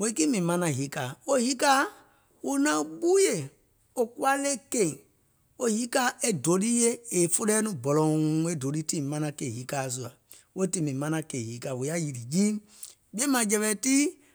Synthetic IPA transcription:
wo˨˦i˦ki˦mĩ˨mã˦nã˧˨ɦi˨˦kaː˨o˦hi˦ka˦ | wu˦nã˦ɓu˦je˨ | o˨ku˦a˦le˦ke˦˨ĩ˨ | o˦hi˦kaː˦ʔe˦do˨˦li˦je˦e˨fo˦lɛː˦nũ˦bɔ˨lɔ̃˨˦e˦do˨˦li˦tĩ˦˨mã˦nã˧ke˨ɦi˨˦kaː˨s̬u˨a˨ | wo˦ti˦mĩ˨mã˦nã˧ke˨hi˨˦kaː˨wo˨ja˦ji˨ɾi˨d͡ʒĩː˦ | bi˦e˦mã˨d͡ʒɛ˧ɓɛ˧˦ti˦

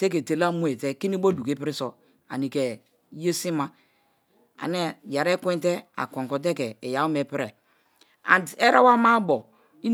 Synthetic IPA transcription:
te˦k̬e˨te˨la˦mu˦e˨te˦ki˦ni˦bo˦du˨ke˦pi˦ɾi˦sɔ˨ | a̰˨ni˨ke˨˦ | je˦si˦ma˦ | a̰˨ne˦ja˨ɾe˦kʷɛ˦nte˦a̰˨kɔ̃˨ŋkɔ˨t̬e˦kɛː˨ja˨u˦me˨pɾe˨ | a̰˨nde˦ɾa˦wa˦ma˦bɔ˨ | i˦

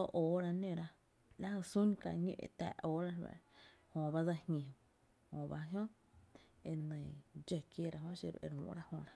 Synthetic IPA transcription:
o˦ʔoː˨ɾa˧nẽ˧˨ɾa˧ | la˦ho˧su˦nka̰˧ɲḭ̃˧˨ʔḛ˧˨t̪ɛ̰ː˨ʔoː˦ɾa˦lwa̰˧˨hõ˧˨ba˦d͡za˧hɲʲẽ˨ | hõ˧˨ba˧ɦjõ˦ | e˨nə̃˨d͡ʒe˧˨kje˦˨ɾa˧˨ɦõ˦ʃḭ˧˨ɾʔḛ˧ɾṵ̃˧˨˦ɾa˦hõ̰˧˨ɾa˦

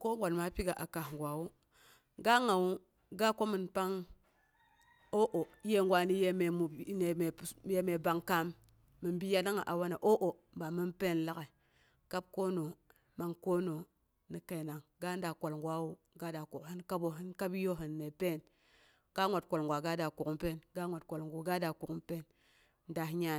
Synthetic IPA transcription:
ko˦ŋɡʷa˨lma˦pi˦ɡa˨ʔa˨ka˨ŋɡʷa˨wu˦ | ɡa˦ŋa˨wu˦ | ɡa˦ko˦mi˨npa˦ŋ | o˦ʔo˨˦je˦ŋɡʷwʷa˨ni˦je˦me˨mu˨˦ne˨me˨je˦me˨ba˦ŋka˦mː | i˨nbi˦ja˦na˦ŋa˨ʔa˨wa˦na˨ʔo˦ʔo˨ | mba˨mi˦npe˦˨nla˦ke˨ | ka˦b̚ko˦no˨ | ma˨ŋko˦no˨ | ni˨ke˨na˨ŋɡa˦n˦da˨kʷo˨lŋɡʷa˦wu˨ | ɡa˦da˨ku˨khi˦nka˦bo˨ɦi˦nka˦bi˦jo˦ɦi˨nːe˨pe˦˨n | ka˦ŋʷa˨t̚kʷo˨lŋɡʷa˨ɡa˦da˨ku˨ku˦mpe˦˨nɡa˦ŋʷa˨tkʷo˨lŋɡu˨ɡa˦da˨ku˨ku˦pe˦n | n˦da˨ɦɲa˦

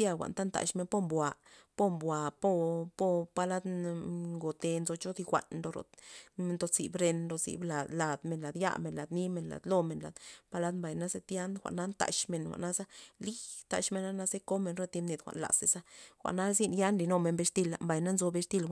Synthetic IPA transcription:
ja˧xʷa̰˨nt̪a˦nt̪a̰˨ʃme˧npo˦mbwa˨po˦mbwa˨po˦po˦˧pa˧la˦d̪ŋɡo˨t̪e˧nzo˧t͡ʃo˦d̪i˧xʷa̰˨nlo˧ɾo̰˨˧nt̪o˧zḭ˨bɾe˧nɾo˧zḭ˨bla˨d̪la˨d̪me˨nla˨d̪ja̰˧me˨nla˨d̪ni˦me˧nla̰˨d̪lo˦me˨nla̰˨d̪pa˦la˦d̪mba˨jna˦ze˦t̪ja˦nxʷa̰˨ʔna˦nt̪a̰˨ʃme˨nxʷa̰˨ʔna˦za˦li˦t̪a̰˨ʃme˧na˦na˦ze˦ko˦me˨nɾo˧t̪i˧mne˨d̪xʷa̰˨ʔnla̰˨se˨sa˦xʷa̰˨ʔna˦zi˦nja˦nli˨no˧me˨nbe˧ʂt̪i˦˧la̰˨mba˨jna˦nzo˧be˧ʂt̪i˧lʷ

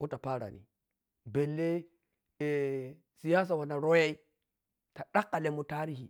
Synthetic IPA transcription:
u˦ta˨pa˦ɾa̰˨nḭ˨ | be˨lːe˦ | e˨ | si˨ja˦s̬a˨wa˨na˨ɾo˦ja˦i˦ | ta˨ɗa˦kːa˨le˦mu˨ta˦ɾi˦hi˨

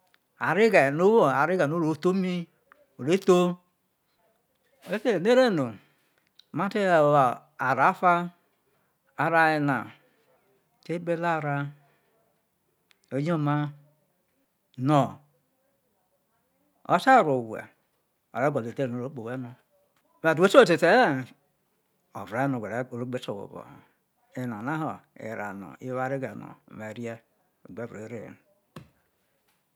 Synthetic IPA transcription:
a̰˨ɾi˦ɡe˨no˦wo˦˨a˨ɾi˦ɡa˨no˦ɾo˨˦to˦mi˦ | o˨ɾe˦to˦ | o˨e˦te˦˨ne˦ɾe˦nu˨ | ma˦te˦˨ | a˨ɾa˨˦fa˦ | a˨ɾa˨e˨na̰˨ | te˦be˦la˦˨ɾa˦ | o˨˦ɲ˦o˦ma˦ | no˨ | o̰˦sa˦˨ɾo˨wʷḛ˨ | o̰˨ɾe˦ɡʷo˨le˨te˦ɾno˨ɾo˦k͡po˨we˦no˨ | me˨tu˨˦e˦so˦˨te˨te˦˨ | o̰˨vɾa˦no˨ɡʷe˨ɾɾo˦ɡ͡be˦t͡ʃo˨wo̰˨bo̰˨ | e˦na˨na˦ɦo˨ḛ˨ɾa̰˨no̰˨i˦wa˦ɾi˦ɡe˨no̰˨me˨ɾi˦e˦˨ | ɡ͡be˦bɾe˨˦ɾḛ˦˨n˨

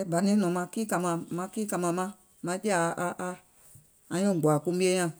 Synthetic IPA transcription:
ɛ˨˦ba˨nĩ˦nɔ̃˨mã˧kiː˦ka˧mã˨mã˧˦kiː˦ka˧mã˨mã˦ | mã˧˦d͡ʒi˦a˨ʔa˧ʔa˧ | ã˧ɲɔ̃˦˨ɡ͡ba˨kũ˧˦bi˦e˦ɲã˦˨

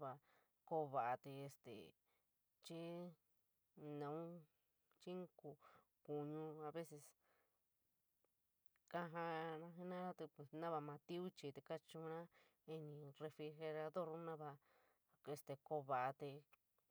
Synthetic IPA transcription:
βa˧ | ko˧βa˨ʔa˧t̪e˧e˧st̪ḛ˨ | t͡ʃi˦ | nã˨ũ˦ | t͡ʃi˦ŋku˧ | ku˨ɲũ˧a˧βe˦se˧s | ka˧ɦã˧nã˧ɦi˧nã˦ɾa˦t̪e˧pe˨snã˦βa˧mã˧t̪i˦u˦t͡ʃi˧t̪e˧ka˦t͡ʃũ˧nã˦ | i˧nĩ˧re˧fɾi˧xe˧ɾa˧ðo˦˨ɾũ˦nã˦βa˧ | e˧st̪e˨˧ko˧βa˧˨ʔa˧t̪e˧

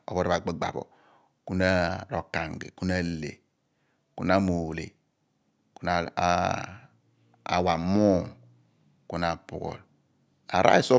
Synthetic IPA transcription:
o̰˨bo˦ɾba˨ɡ͡be˦ɡ͡ba̰˨bo̰˨ | ku˦na˦ɾo˨ka˨ŋ˨ɡḛ˨ku˦na˦lḛ˨ | ku˦na˦mo˨lḛ˨ | ku˦na˨ | a̰˨wa˨mo˦˨ŋ | ku˦na˨pṵ˨ɣo̰˨l | a˨ɾa̰˦i˦so˦

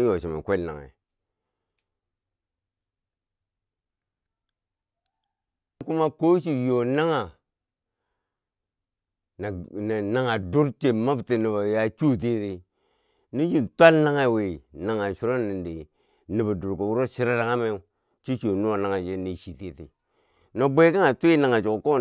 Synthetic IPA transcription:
jo˨ʃi˨ma̰˨kʷe˦lna̰˨ŋa̰˨˦ | ku˦ma˦ko˦ʃ̬i˨jo˨na˦ŋa˨ | na˨na˨na˦ŋa˨du˦ɾt͡ʃe˨ma˦bti˨ni˨βa˨ja˦t͡ʃu˦t̬i˦ɾi˨ | ni˦d͡ʒi˦n˨tʷa˦lna˦ŋa˦˨we˨na˨ŋa˨ʃu˨ɾo˦ni˨nde˨ | ni˨ba˨du˨ɾko˨wu˦ɾo˦ʃi˦ɾa˦ɾa˨ŋa˦me˦ | t͡ʃi˦t͡ʃo˨nu˦a˨na˦ŋa˨d͡ʒe˦ni˨ʃi˨ti˦tḭ˨ | no˨bʷe˦ka˦ŋa˨tu˦i˦na˨ŋa˨t͡ʃo˨ko˦

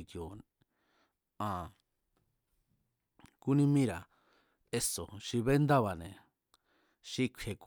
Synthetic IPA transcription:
kjo˨ | ã˨ | ku˦nĩ˦mĩ˦ɾa˨ | e˦˧so˨ʃi˧βe˦nd̪a˦βa˨nẽ˨ | ʃi˧kʷʰe˧˨k

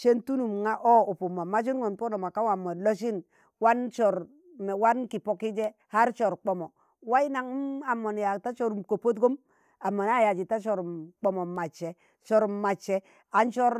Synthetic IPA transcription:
t͡ʃe˦ntu˦nu˨mŋa˦ʔo˦o˨pu˨mːa˨ma˦d͡ʒi˦nŋo˨npo˦no˨ma˨ka˦wa˨mːo˨lo˦ʃ̬i˦n | wa˦nt͡ʃɔ˨ɾ | m˨wa˦nki˨po˨˦ki˦d͡ʒɛ˦ha˦ɾt͡ʃɔ˨ɾk͡po˨mo˨ | wa˦i˦na˨ŋ˦a˨mːo˨nja˨ta˦t͡ʃo˦ɾu˨mko˨po˦t̬ɡo˦m | a˨mːo˨na˦˨ja˨d͡ʒi˨ta˦t͡ʃɔ˨ɾmk͡pɔ˨mo˨ma˨t͡ʃːɛ˨ | t͡ʃɔ˨ɾma˨t͡ʃːɛ˦ | a˨nt͡ʃɔ˦ɾ

